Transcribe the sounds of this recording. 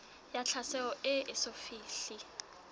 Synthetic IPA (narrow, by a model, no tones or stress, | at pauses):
jat͡ɬʰasɛɔʔɪʔɪsofiːɬi